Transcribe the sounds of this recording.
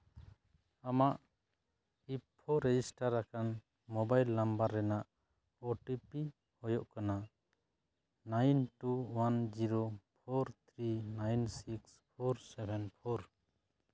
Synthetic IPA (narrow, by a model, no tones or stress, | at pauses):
amaʔ | ipʰːɔɾɛd͡ʒisʈaɾakan | mɔbajlːambaɾːɛnaʔ | ɔʈipi | hɔjɔʔkana | najnʈuwand͡ʒiɾopʰɔɾt̪ʰɾinajnsikspʰɔɾsɛbʱɛnpʰɔɾ